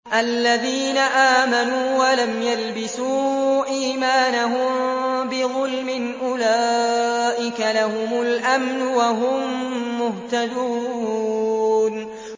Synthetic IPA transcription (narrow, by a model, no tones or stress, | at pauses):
ʔalːaðiːnaʔaːmanuːwalamjalbɪsuːʔiːmaːnaɦʊmbɪðˤʊlmɪnʔʊla | ʔɪkalahʊmʊlʔamnʊwaɦʊmːʊht̪ad̪uː | n